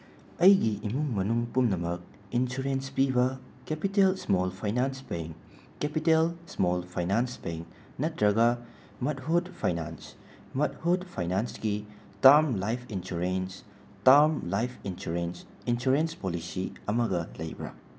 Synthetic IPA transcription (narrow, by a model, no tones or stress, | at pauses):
ɐjɡiʔimuŋmɐnuŋpumnɐmɐk̚ | insuɾenspibɐ | kepitelsmolpʰajnansbeŋkː | epitelsmolpʰajnansbeŋk | nɐtɾɐɡɐ | mɐt̚hudpʰajna̰ns | mɐt̚hudpʰajnansɡi | taɾmlajpʰinsuɾens | taɾmlajpʰinsuɾens | insuɾenspolisiɐmɐɡɐlɐ̰jbɾa̰